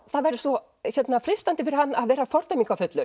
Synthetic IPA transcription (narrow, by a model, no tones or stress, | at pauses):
θaðvɛɾðɪsvɔ | çɛt̪nafɾɪst̪ant̪ɪfɪɾɪɾ̥hanːaðvɛːɾafɔɾt̪ajmiŋkafʏt̪lʏɾ